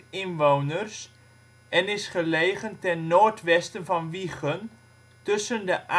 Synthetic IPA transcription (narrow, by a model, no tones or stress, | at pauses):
ɪnʋownərs | ʔɛnɪsχəleːχəntɛnːoːrtʋɛstənvɑnʋiχən | tɵsəndəʔa